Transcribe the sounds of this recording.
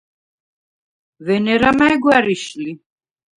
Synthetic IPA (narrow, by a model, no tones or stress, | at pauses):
vɛnɛɾamaɛɡwæɾiʃli